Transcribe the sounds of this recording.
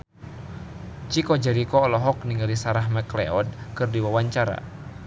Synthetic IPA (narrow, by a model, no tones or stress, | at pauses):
t͡ʃikɔd͡ʒɛɾikɔːlɔɦɔk̚niŋɡalisaɾaɦmɛklɛ̰ɔd̚kɨrdiwawaɲt͡ʃaɾa̰